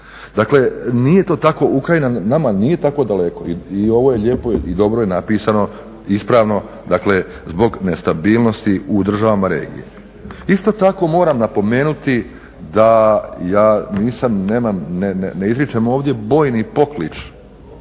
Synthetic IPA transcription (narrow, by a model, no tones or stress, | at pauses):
d̪akle̞nije̞t̪oːt̪ako̞ʔukɾainanamaniːje̞t̪ako̞d̪ale̞ko̞iio̞ʋo̞je̞ʎe̞po̞id̪o̞bɾoje̞napiːsano̞ | ispɾaːʋno̞ | d̪akle̞ | zbo̞ɡne̞st̪abiːlˠno̞st̪iud̪r̩ʒaʋamaɾḛːɡḭjḛ | ist̪o̞t̪ako̞mo̞ːɾamnapo̞me̞ːnut̪i | d̪ajaːniːsamneːmamneneneizɾit͡ʃemoːʋd̪je̞bo̞ːjnipo̞klit͡ʃ